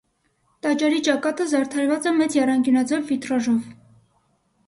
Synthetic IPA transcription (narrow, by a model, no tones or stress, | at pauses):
t̪ɑt͡ʃɑɾit͡ʃɑkɑt̪əzɑɾt̪ʰɑɾvɑt͡sɛmɛt͡sjɛrɑŋkjunɑd͡zɛvvit̪ɾɑʒɔv